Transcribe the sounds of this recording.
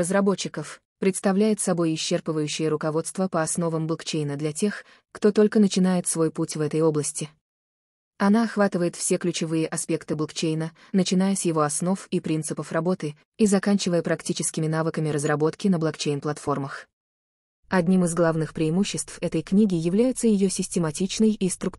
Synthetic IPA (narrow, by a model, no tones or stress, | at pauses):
rəzrɐbo̞t͡ɕːɪkəf | pɾʲɪt̪st̪ɐvlʲæjɪt̪sɐbo̞jɪɕːerpəvəjʉɕːɪjəɾʊkɐvo̞t̪st̪vəpəɐsno̞vəmblˠkt͡ɕejnəd̪lʲɐtʲe̞x | kt̪o̞t̪o̞lʲkənət͡ɕɪnajɪt̪svo̞jputʲvɛt̪əjo̞blˠəsʲtʲɪ | ɐnaɐxvat̪ɨvəjɪt̪fsʲeklʲʉt͡ɕɪvɨjəʔɐspʲe̞kt̪ɨblˠkt͡ɕejnə | nət͡ɕɪn̪ajəsʲjɪvo̞ɐsno̞fipɾʲint̪sɨpəfrɐbo̞t̪ɨ | izɐkanʲt͡ɕɪvəjəpɾɐktʲit͡ɕɪskʲɪmʲɪnavɨkəmʲɪɾəzrɐbo̞t̪kʲɪnəblˠɐkt͡ɕejnplˠɐt̪fo̞rməx | ɐdʲnʲimɨzɡlˠavnɨxpɾʲɪɪmuɕːɪst̪fɛt̪əjknʲiɡʲɪjɪvlʲæjɪt̪səjɪjosʲɪsʲtʲɪmɐtʲit͡ɕnəjist̪ɾʊk